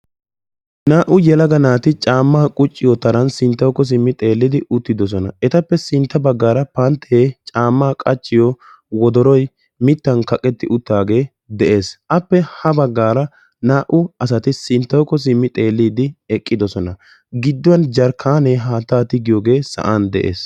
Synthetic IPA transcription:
naːʔʊjɛlɐɡɐnaːt̪ɪt͡ʃʼaːmːaːkʼʊt͡ʃʼːɪjɔt̪ɐɾɐnsɪnt̪ːɐwkːɔs̬ɪmːɪt̪ʼe̞ːlːɪd̪ɪʔʊt̪ːɪd̪ɔs̬ɔnɐ̰ɛt̪ɐpːɛsɪnt̪ːɐbɐɡːaːɾɐpɐnt̪ʰːɛet͡ʃʼaːmːaːkʼɐt͡ʃʼːɪjɔ | wɔd̪ɔɾɔj | mɪt̪ːɐnkɐkʼːɛt̪ːɪʔʊt̪ːaːɡe̞ː | d̪ɛʔe̞ːsʔɐpːɛhɐbɐɡːaːɾɐ | naːʔʊɐs̬ɐt̪ɪsɪnt̪ːɐwkːɔs̬ɪmːɪt̪ʼe̞ːlːiːd̪ɪɛkʼːɪd̪ɔsɔnɐ | ɡɪd̪ːʊwɐnd͡ʒɐɾkʰaːneɦaːt̪ːaːt̪ɪɡɪjɔːɡe̞ːsɐ̰ʔaːnd̪ɛ̰ʔḛːs

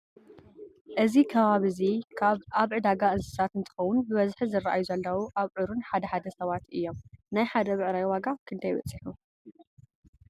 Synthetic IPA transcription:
ʔɨzikʰɐβaβɨzikʰaβaβʕɨd̪aɡaʔɨnsɨ̥sat̪ɨnt̪ʰɨ̥xɐwunubɨβɐzħizɨrːaʔa̰juzɐlːɐwuʔaβʕɨɾunħad̪ɐħad̪ɐsɐβat̪ɨjːo̞mnajħad̪ɐβɨʕɾajwaɡakʰɨnd̪ʰajbɐ̰t͡sʼɨħu

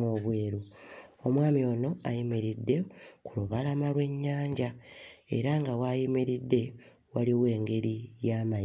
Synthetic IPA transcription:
oβweːɾuomwaːmio̞ːno̞ajemiɾidːe̞kuloβalamalwe̞ɲːaːɲɟae̞̰ɾaŋɡawajimeɾidːe̞ | waliwe̞ːŋɡe̞ɾijaːma

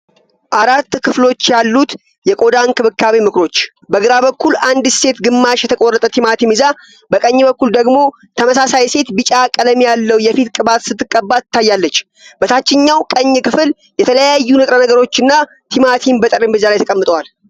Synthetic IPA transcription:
ʔaɾat̪ːkʰɨflo̞t͡ʃːjalːut̪ | jɛkʼo̞d̪ankɨβɨkʰːaβimɨkɾo̞t͡ʃː | bəɡɨɾaβəkːuland̪se̞t̪ɡɨmːaʃjɛt̪ʰəkʼorːət̪ʼət̪ʰimat̪ʰimɨza | bəkʼəɲːbəkːuld̪əɡmo̞ | t̪ʰəməsasajse̞t̪bɨt͡ʃʼakʼələmijalːəwjɛfit̪kʼɨbat̪sɨt̪ːɨkʼːəbːaɨt̪ʰːajːalːət͡ʃː | b̥ət̪ʰat͡ʃːɪɲːawkʼəɲːɨkɨfɨl | jɛt̪ʰələjajːunɨt̪ʼɾənəɡəɾo̞t͡ʃːɨnːa | t̪ʰimat̪ʰimbət̪ʼəɾimbɨzalajt̪ʰəkʼəmːɨt̪ʼəwal

